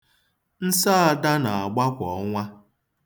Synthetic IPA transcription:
n̩˦sa˦a˨da˦na˨a˨ɡ͡ba˦kʷɔ˨˦ŋʷa˦

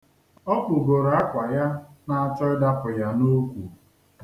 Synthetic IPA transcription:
ɔ˦kʷʊ˨ɡo˨ɾa˦kʷa˨ja˦na˦a˦t͡ʃɔ˦ɪ˦da˦pʊ˨ja˦no˦kʷṵ˨

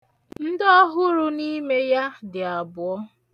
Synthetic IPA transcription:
n̩˦dɔ˦ɦʊ˦ɾu˦ni˦me˦ja˦dɪ˨a˨bʊ˨ɔ˦

